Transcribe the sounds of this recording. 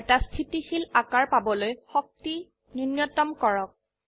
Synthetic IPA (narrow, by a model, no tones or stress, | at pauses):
tastʰitixilakaɹpabɔlojxɔk̚ti | ninjɔtɔmkɔɹɔk̚